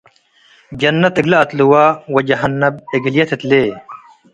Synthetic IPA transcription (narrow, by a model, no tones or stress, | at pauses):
d͡ʑɐnːɐt̪eɡlɐːt̪luwaːwɐd͡ʑɐɦɐnːɐb̚eɡljɐt̪ʰet̪leː